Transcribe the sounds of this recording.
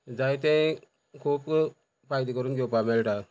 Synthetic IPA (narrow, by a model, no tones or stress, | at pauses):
d͡zajt̪̬ɛ̃ | kʰuːp | fajd̪ikəɾuːnɡewpamɛlʈa